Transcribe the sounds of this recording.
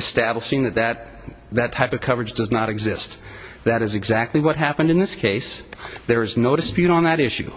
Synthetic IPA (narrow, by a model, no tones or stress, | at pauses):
ɨstæbləʃɪ̃ŋðɨt̪̚ðɨt̪̚ | ðɨtʰaɪpʌv̥kʰʌvə˞ɨd͡ʒdʌznəɾɨɡzɪst̪̚ðɨɾɨzɨɡzæk̚tˡliwʌt̚ɦæpɨ̃ndɨ̃nðɪskʰeɪsðə˞ɨznoʊɾɨspjʉɾn̩ðɨɾɪʃʉ̰